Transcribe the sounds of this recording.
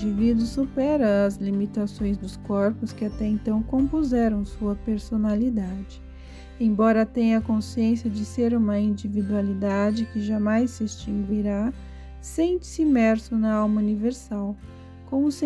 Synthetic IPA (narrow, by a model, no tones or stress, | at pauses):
d͡ʒivid̪ʊsupɛɾɐɐzlimit̪asõj̃zd̪ʊskɔɾpʊskɪat̪ɛẽnt̪ɐ̃w̃kõpuzɛɾɐ̃w̃suɐpeɾsonalid̪ad͡ʒɪ̥ | ẽj̃bɔɾɐt̪ẽj̃ɐkõsiẽsjɐd͡ʒɪseɾũmɐĩnd͡ʒivid̪ualid̪ad͡ʒɪkɪʒamajsːɪest͡ʃĩŋɡuiɾa | sẽnt͡ʃɪ̥sɪimɛɾsʊnɐawmɐuniveɾsaw | kõʊs